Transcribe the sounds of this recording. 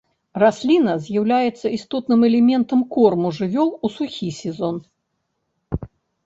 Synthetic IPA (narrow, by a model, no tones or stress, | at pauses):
rasʲlʲinɐzʲjawlʲajɛt̪sːɐist̪ɔt̪nɨmɛlʲɛmʲɛnt̪ɐmkɔrmuʐɨvʲɔlˠusuxʲisʲɛzɔn